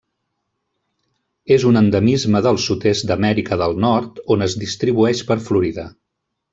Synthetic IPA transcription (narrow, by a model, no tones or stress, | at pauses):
ezunənd̪əmizməðəlˠsut̪est̪̚d̪əmɛɾikəðəlˠnɔɾt̪onəzd̪ist̪ɾiβuɛʃpəɾfluɾiðə